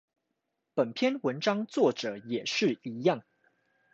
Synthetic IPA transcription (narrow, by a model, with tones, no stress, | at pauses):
pə˨˩npʰjɛ˥˧˨nwə˧˥nʈ͡ʂɑ˥ŋt͡swɔ˥˩ʈ͡ʂɤ˨˩˦jɛ˨˩ʂɻ̩˥˩i˧˥jɑ˥˩ŋ